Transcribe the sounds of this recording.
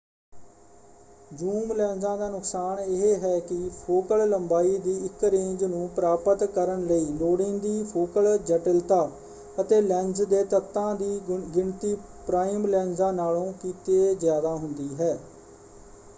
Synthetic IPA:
d͡ʒuːmlɛ̃ːnzãːd̪aːnʊksaːnɪɦeːɦɛːkɪpʰoːkəlləmbaːiːd̪iːɪkɾẽːɲd͡ʒnũːpɾaːpət̪kəɾəɳləiːloːɽɪ̃nd̪iːpʰoːkəld͡ʒəʈəlt̪aː | ət̪eːlɛ̃ːnd͡ʒd̪eːt̪ət̪ːãːd̪iːɡɪɳt̪iː | pɾaːimlɛ̃ːnzãːnaːlõːkiːt̪eːzjaːd̪aːɦʊnd̪iːɦɛː

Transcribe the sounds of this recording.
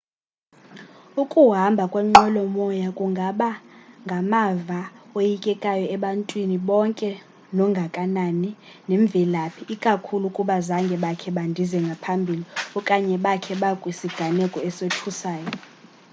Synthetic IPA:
ukʼuɦambʱakʼwɛŋ͡ǃɔlɔmɔjakʼuŋɡʱaɓaŋɡʱamavaojikʼɛkʼajɔɛɓantʼwiniɓɔŋkʼɛ | lɔŋɡʱakʼanani | neɱb̪vʱilapʰiʔːkʼakʰulukʼuɓazaŋɡʱɛɓakʰɛɓandʱizɛŋɡʱapʰambʱiliɔkʼaɲɛɓakʰɛɓakʼwisiɡ̥ʱanɛkʼɔɛsotʰusaːjɔ

